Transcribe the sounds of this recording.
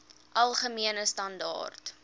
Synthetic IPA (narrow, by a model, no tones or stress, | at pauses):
ʔɐlˠχəmiənəstɐndɑ̰ːrt